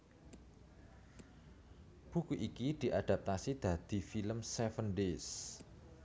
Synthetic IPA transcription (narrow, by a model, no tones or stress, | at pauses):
b̥ṳkuʔikid̪̥i̤ʔad̪̥a̤p̚t̪asid̪̥ä̤d̪̥i̤filəmsɛfənɖes